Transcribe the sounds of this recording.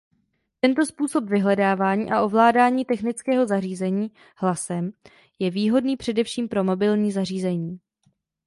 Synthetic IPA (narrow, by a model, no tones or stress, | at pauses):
t̪ɛnt̪o̞spuːso̞pvɪɦlɛdaːvaːɲḭːʔaʔo̞vlaːdaːɲiːt̪ɛxnɪt͡skɛːɦo̞zariːzɛɲiː | hlasɛm | jɛviːɦo̞dniːpr̥ɛdɛfʃiːmpɾo̞mo̞bɪlɲiːzar̝iːzɛɲiː